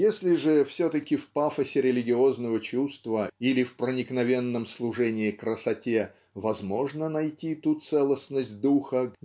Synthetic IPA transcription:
jesʲlʲɪʐɨfsʲot̪əkʲɪfpafəsʲɪɾʲɪlʲɪɡʲɪoznəvət͡ɕust̪vəilʲɪfpɾənʲɪknɐvʲe̞nːəmslˠʊʐɛnʲɪːkɾəsɐtʲe | vɐzmo̞ʐnənɐjtʲit̪ut̪sɛlˠəsʲnəsʲt̚ʲd̪uxə

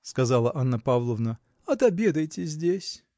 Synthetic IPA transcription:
skɐzalˠəʔanːəpavlˠəvnə | ɐt̪ɐbʲed̪əjtʲɪzʲdʲesʲ

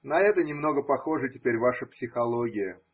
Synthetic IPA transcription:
nɐɛt̪ənʲɪmno̞ɡəpɐxo̞ʐɨtʲɪpʲeɾʲvaʂəpsʲɪxɐlˠoɡʲɪjə

